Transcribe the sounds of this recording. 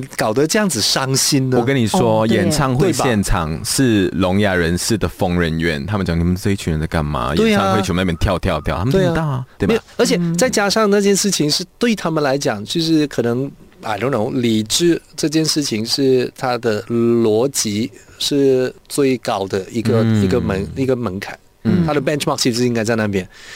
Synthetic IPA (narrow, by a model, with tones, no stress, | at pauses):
kɑ˨˩ʊd̪ə˧˦ʈ͡ʂɤ˥˧jɑ˥˩ŋd͡zɹ̩˨˩ʂɑ˥ŋɕi˥nnəwɔ˨˩kə˥ni˨˩ʂwɔ˥jɛ˨˩nt͡sʰɑ˥˧ŋxwe˥˧ɪjɛ˥˩nʈ͡ʂʰɑ˨˩ŋʂɻ̩˥˩lʊ˧˥ŋja˨˩ɻə˧˥nʂɻ̩˥˩d̪ə˩fo˥ŋɻə˧˥nɥɛ̰˧˩nt̪ʰa˥mə˨˩t͡ɕjɑ˥˩ŋni˨˩mə˨˦˥t͡ɕʰy˨˩ɻə˧˦nə˧˩ka˥˩nma̰˧˥jɛt̪e˥˧˥wʰn˥˩jʲt̪ʰjɑ˥˧ʊt̪ʰjɑ˥˧ʊt̪jɑ˥˩ʊt̪ʰa˥m˨˧e˥˧˥t̪a˥˩t̪we˥˩˧jə˞˧˥t͡ɕʰjɛ˨˩t͡sa˥˩ɪt͡ɕja˥˩ʂɑ˥˩ŋna˥˧t͡ɕjɛ˥˧nʂɻ̩˥˩t͡ɕʰi˧˥ŋʂɻ̩˥˧t̪we˥˩ɪt̪ʰa˥mə˨nla˧˥ɪt͡ɕjɑ˨˩ŋt͡ɕʰy˧˥˧ʂ̬ɻ̩˧˥˩kʰɤ˨˩nɤ˧˥ŋ | a˨˩lo˧˥ŋlʊ˧˥ŋli˨˩ʈ͡ʂɻ̩˥ʈ͡ʂɤ˥˧t͡ɕjɛ˥˧nʂɻ̩˥˩t͡ɕʰi˧˥ŋʂɻ̩˥˩t̪ʰa˥d̪ə˨˩lwɔ˧˥t͡ɕi˧˥ | ʂɻ̩˥˧t͡swe˥˩ɪkɑ˥ʊd̪ə˨i˧˥ɡə˧i˧ɡə˧mə˧˥ŋi˧˥ɡə˧mə˧˥ŋkʰa˨˩˦ | a˥d̪ə˨pɛ˥˧nʈ͡ʂʰma˥˩k̚t͡ɕʰi˧˥˧i˧˥ŋka˥ɪt͡sa˥˧ɪna˥˩p̬jɛ˥n